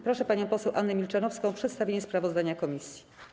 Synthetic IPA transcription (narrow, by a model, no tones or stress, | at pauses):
pɾɔʂɛpaɲɔ̃w̃pɔsɛwʔanːɛmʲilt͡ʂanɔfskɔ̃w̃pʂɛt̪st̪avʲeɲɛspɾavɔzd̪aɲakɔmʲisʲji̥